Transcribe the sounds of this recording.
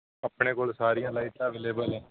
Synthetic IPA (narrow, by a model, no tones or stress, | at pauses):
əpɳeːkoːlsaːɾijãːlaːiːt̪ãːʋeːleːbəlɛ̃ː